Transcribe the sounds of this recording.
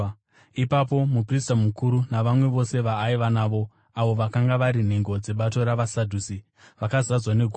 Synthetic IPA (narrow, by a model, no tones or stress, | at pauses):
ipapo̞mupristamukuɾunaʋamwe̞ʋo̞se̞ʋaːiʋanaːʋo̞ | aʋo̞ʋakaŋɡaʋaɾin̤e̞ŋɡo̞d͡ze̞ɓato̞ɾaʋasadʱuːsi | ʋakazad͡zwaneɡʱo